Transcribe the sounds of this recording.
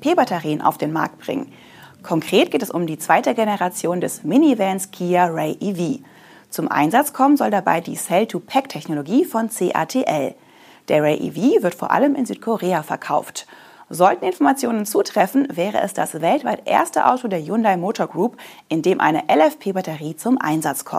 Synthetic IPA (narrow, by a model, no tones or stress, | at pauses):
pʰeːbatɛʁiːənʔa̰ʊfd̥eːnma̰ɐk̚t̚b̥ʁɪ̰ŋə̰n | kʰɔŋkʁ̥eːt̚ɡ̥eːtɛsʊmdiːt͡sv̥aɪtəɡenəʁat͡sjoːndɛsmɪniːvɛnskʰiːaʁɛɪʔiviː | t͡sʊmʔa̰ɪnzat͡skʰɔmənzɔldaba̰ɪdḭːsɛltʰupʰɛktʰɛçnoloɡiːfɔnt͡seːʔa̰ːtʰeːʔɛl | d̥eːɐʁɛɪʔḭviːvɪɐtfoːɐʔa̰ləmɪ̰nzyːtkʰoʁeːafɛɐkʰaʊft | zɔltn̩ɪnfɔɐmat͡sjoːnənt͡suːtʁ̥ɛfn̩vɛːʁə̰ʔɛ̰sd̥asvɛltv̥aɪtʔḛːɐstəʔa̰ʊtodeːɐjundaɪmoːtʰoɐɡʁuːp | ʔɪndeːmʔa̰ɪnəʔɛlɛfpʰeːbatəʁiːt͡sʊmʔa̰ɪnzat͡skʰɔ̰m